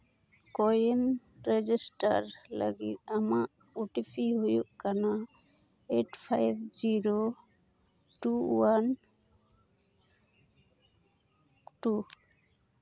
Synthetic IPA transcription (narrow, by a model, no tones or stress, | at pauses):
kɔjen | ɾed͡ʒisʈa̰ɾla̰ɡḭt̪̚amaʔ | uʈipʰiɦojuʔkana | eʈpʰajbd͡ʒiɾo | ʈuwan | ʈu